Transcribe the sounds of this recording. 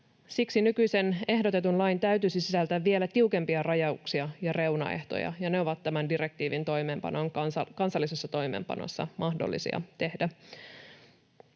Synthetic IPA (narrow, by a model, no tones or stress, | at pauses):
siksinykyjse̞ne̞ɦdo̞t̪e̞t̪unlɑjnt̪æyt̪yːsisisælt̪æʋːie̞læt̪iuke̞mpiɑrɑjɑuksiɑjɑre̞unɑ̰ḛht̪o̞̰jɑ̰jɑne̞oʋɑt̪ːæmændiɾe̞k̚t̪iːʋint̪o̞jmeːmpɑ̰noŋɑkɑnsɑlːisesːɑt̪o̞ijmḛːmpɑ̰no̰sːɑ̰mʔɑhdo̰lːḭsḭɑ̰t̪e̞hdæ